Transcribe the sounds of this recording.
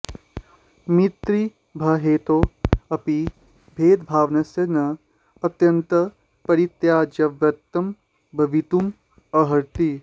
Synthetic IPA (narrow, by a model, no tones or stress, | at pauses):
mit̪ɾi | bʱɐɦeːt̪oːɐpi | bʱeːd̪bʱaːʋnɐsjɐnɐ | ɐt̪jɐnt̪ɐ | pɐɾit̪jaːd͡ʒɐʋɐt̪ːɐm | bʱɐʋit̪um | ɐɦɐɾt̪i